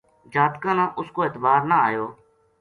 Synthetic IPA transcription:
d͡ʒaːt̪kãːnãːʔʊskoːɪt̪baːɾnaːaːjoː

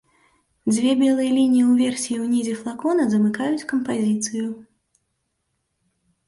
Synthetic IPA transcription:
d͡zʲvʲɛbʲɛlˠɨjɐlʲinʲijiwvʲɛrsʲijiwnʲizʲɛflˠakɔnɐzɐmɨkajut͡sʲkɐmpazʲit̪sɨju

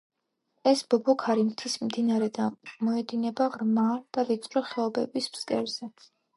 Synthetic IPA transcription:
ɛsbɔbɔkʰaɾimt̪ʰismd̪inaɾɛd̪amɔɛd̪inɛbaʁɾmad̪̥avit̪sʼɾɔχɛɔbɛbismskʼɛɾz̥ɛ

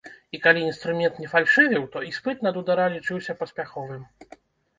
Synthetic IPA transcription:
ikalʲiinst̪ɾumʲɛnt̪nʲɛfalʲʂɨvʲɛwt̪ɔispɨt̪nɐd̪ud̪aɾalʲit͡ʂɨwsʲɐpɐsʲpʲaxɔvɨm

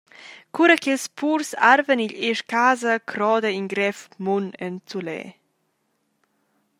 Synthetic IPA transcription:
kuɾakelspʰuɾsaɾvəniʎeʃkaːzəkʰɾɔːd̪əiŋɡɾɛfmunɛnt͡sulɛ̰ː

